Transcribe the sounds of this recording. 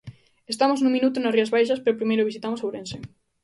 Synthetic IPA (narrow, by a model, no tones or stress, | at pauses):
est̪amoznũŋminut̪ʊnɐsriɐzβajʃɐspeɾʊpɾimejɾʊβ̞isit̪amosawɾense